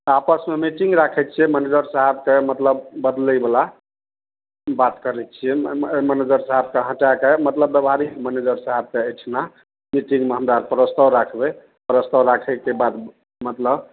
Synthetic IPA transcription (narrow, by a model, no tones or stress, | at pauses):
apəsmemiʈiŋɡɾakʰɛt͡ʃʰiɛməned͡ʒəɾsaɦəb̚kemət̪ləbːəd̪ləbala | bat̪kəɾɛt͡ʃʰiɛməned͡ʒəɾsaɦəbkeɦə̃ʈakemət̪ləb̪bebʱaɾiməned͡ʒəɾsaɦəb̚keəjʈʰna | miʈĩŋɡmeɦəmdaɾpɾəst̪əwɾakʰbe | pɾəst̪əwɾakʰəkebad̪ | mət̪ləb